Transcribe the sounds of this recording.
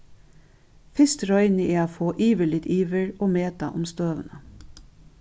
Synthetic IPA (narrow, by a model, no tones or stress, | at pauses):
fɪst̪ɾɔʏnəʔeːoːfoːʔiːʋəlɪt̪iːʋəɹoːmeːt̪ɑ̰ʔʊmst̪øːʋə̰nə